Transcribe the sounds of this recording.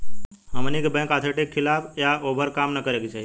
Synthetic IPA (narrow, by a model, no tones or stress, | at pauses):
ɦəmnikebɛ̃ŋkat̪ʰeʈekʰːilapʰjaʔoːbʱəɾkamnəkəɾekit͡ʃʰai